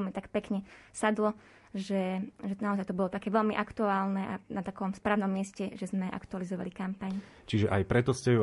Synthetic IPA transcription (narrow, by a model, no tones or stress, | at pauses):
lmit̪akpɛkɲɛsad̪lɔ | ʒɛʒɛnaɔzajt̪ɔbɔlɔt̪akɛːʋɛlmiʔakt̪uaːlnɛʔa̰nat̪akɔmspɾaːʊnɔmːɪɛscɛʒɛzmɛʔa̰kt̪ualizɔʋa̰likampaɲ | t͡ʃiʒɛʔajpɾɛt̪ɔscɛu